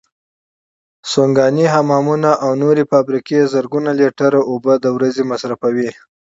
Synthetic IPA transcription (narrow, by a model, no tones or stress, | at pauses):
soŋɡɑniɦamɑmunaʔawnoɾefɑbɾikezəɾɡunaleʈaɾoobəd̪əwɾazemasɾafawi